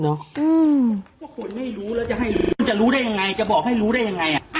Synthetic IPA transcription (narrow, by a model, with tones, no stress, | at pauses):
nɔ˦˥ʔɯː˧mʰu˥˩kʰo˧nma˥˩jɾuː˦˥ɾɛː˦˥wt͡ɕa˨˩ɦa˥˩jnt͡ɕa˨˩ɾuː˦˥ɾa˥˩ja˧ŋa˧jt͡ɕa˨˩bɔː˨˩k̚ha˥˩jɾuː˦˥ɾa˥˩ja˧ŋːa˧jʔa˨˩